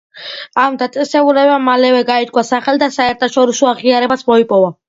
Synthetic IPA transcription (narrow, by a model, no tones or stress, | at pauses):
amd̪at̪sʼɛsɛbulɛbamalɛvɛɡait̪kʼwasaχɛld̪asaɛɾt̪ʰaʃɔɾisɔaʁiaɾɛbasmɔipʼɔva